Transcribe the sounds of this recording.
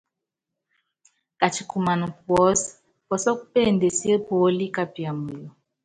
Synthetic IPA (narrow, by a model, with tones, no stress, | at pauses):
ka˨t͡ʃi˨ku˨ma˨nu˨k̚wɔ˨˦s | pɔ˨sɔ˦k̚u˦pe˦˨nde˨si˦e˦po˨˦li˦ka˦pi˨a˨mu˨jɔ˨